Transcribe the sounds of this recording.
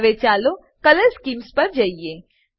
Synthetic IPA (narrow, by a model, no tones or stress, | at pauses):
ʋet͡ʃaːlo | kɐləɾskiːmspɐɾd͡ʒaːieː